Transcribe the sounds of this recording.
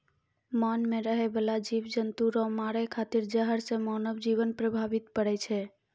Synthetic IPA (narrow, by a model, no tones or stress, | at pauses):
manmẽɾəɦebəlad͡ʒiʋd͡ʒənt̪uɾɔmaɾekʰat̪iɾd͡ʒəɦəɾsẽmɔnəbd͡ʒiʋənpɾəbʱaʋit̪pəɽɛt͡ʃʰɛ